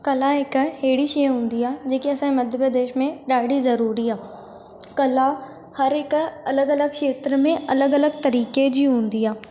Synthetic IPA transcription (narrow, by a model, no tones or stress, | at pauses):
kɐlaɦɪkɦeːɽiʃiːɦũːnd̪iaːd͡ʑeːkiɐsãːmɐd̪ʱjəpɾəd̪eːʃmẽɗaːɽizɐɾuːɾiaː | kɐla | hɐɾɪkɐləɡɐləɡ̚kʃeːt̪ɾəmẽɐləɡɐləɡt̪ɐɾiːked͡ʑiːɦũːnd̪iaː